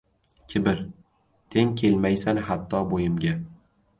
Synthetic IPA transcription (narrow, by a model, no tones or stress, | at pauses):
kʲʰɪbɪɾ | t̪ʰe̞ŋkʲʰe̞lmajsanhat̪ʰːɒbojɪmɡʲa